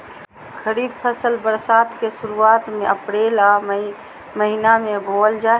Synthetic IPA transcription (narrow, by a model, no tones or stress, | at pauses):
kʰəɾiːb̚pʰəsəlbəɾsaːt̪kesuɾuaːt̪meəpɽela | məɦinamebʱold͡ʒae